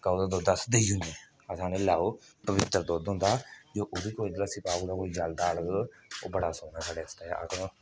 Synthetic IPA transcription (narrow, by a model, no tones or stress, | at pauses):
kauːd̪aːd̪oːd̪əsd̪ed͡ʒʊniː | əsãːneːlaːopəʋɪt̪ːəɾd̪oːd̪ɦʊ̃nd̪aːd͡ʒoːʔʊd̪iːkoːid̪d̪aːsɪpaːud̪aːkoːiːd͡ʒəld̪aːəɭəɡ | oːbəɽaːsoːnɛːsaːɖeːəst̪a̰ʔə̰kõ